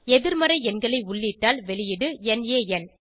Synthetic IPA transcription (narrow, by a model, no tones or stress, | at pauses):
ɛðɪɾmɐɾɐɪɛnɡɐɭɐɪʊɭːiʈːaːlʋɛɭɪjɪɽɯɛneːɛn